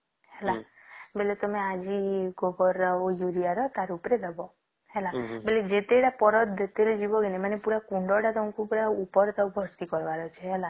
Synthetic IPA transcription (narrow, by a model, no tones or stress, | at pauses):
ɦelabelet̪ɔmead͡ʒiɡobɔɾaojuɾiaɾɔt̪aɾupɾed̪ɔbɔ | helabeled͡ʒet̪eːɽapɔɾɔd̪ʱt̪eled͡ʒibɔɡenemanepuɾakuɳɖɔɽat̪ɔ̃kupuɾaupɔɾt̪awbʱɔɾt̪ikɔɾʋaɾɔt͡ʃʰeɦela